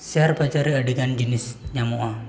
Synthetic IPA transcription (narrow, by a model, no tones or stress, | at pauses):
siarbat͡ʃaɾiaɖekand͡ʒənɪsɲamoʔa